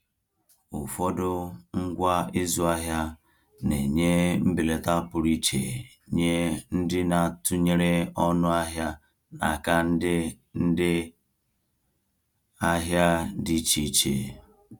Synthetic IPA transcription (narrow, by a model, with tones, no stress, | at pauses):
ʊ˨fɔ˦dʊ˦ŋ̩˦ɡʷa˦ɪ˦zu˦a˦ɦja˦ | ne˨ɲe˦m̩˦bi˨le˨ta˦pʊ˨ɾi˦t͡ʃḛ˨ | ɲe˦n̩˦dɪ˦na˨tʊ˦ɲe˦ɾe˦ɔ˦nʊ˦a˦ɦja˦ | na̰˨ka˦n̩˦dɪ˦ | n̩˦dɪ˦ | a˦ɦja˦di˦t͡ʃi˨˦t͡ʃḛ˨